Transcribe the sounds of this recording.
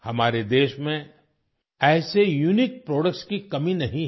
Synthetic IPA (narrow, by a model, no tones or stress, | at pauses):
hɐmaːɾed̪eːʃmẽ | ɛːsejuːnɪk̚pɾɔːɖəkʈskikɐmĩnɐɦĩ